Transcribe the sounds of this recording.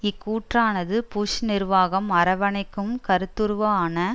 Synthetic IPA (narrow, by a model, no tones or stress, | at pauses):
ɪkːuːʈraːnɐðɯpuːʂnɪɾʋaːɣɐmɐɾɐʋɐnɐɪkːɯmkɐɾɯt̪ːɯɾʋɐaːnɐ